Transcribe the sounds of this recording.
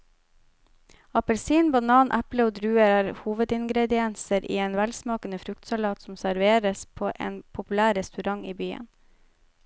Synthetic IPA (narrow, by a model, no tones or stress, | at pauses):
ɑpəlsiːnbɑnɑːnʔæpləoːd̪ɾʉːəɾæːɾhuːʋəd̪ɪŋɡɾɛd̪ɪɛnsəɾʔḭːeːnʋælsmɑːkənəfɾʉkt̪sɑlɑːt̪sɔm̩sæɾʋeːɾəspʰoːʔḛːnpʰʊpʉlæːɾɛst̪ʉɾɑŋiːbyːə̰n